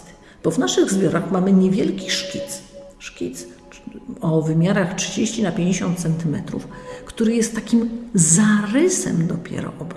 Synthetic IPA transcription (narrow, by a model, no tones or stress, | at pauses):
b̥ɔvnaʂɘɣzbʲjɔɾaxmamɘɲevʲjɛlkʲiʂkʲit̪sʂkʲit̪s | ɔvɘmʲjaɾaxtʂɘd͡ʑeɕt͡ɕinapʲjeɲd͡ʑeɕɔ̃nt̪t̪sɛnt̪ɘmɛt̪ɾṵfkt̪uɾɘjɛst̪ːakʲimzaɾɘsɛ̰md̪ɔpʲjɛ̰ɾɔ̰ʔɔb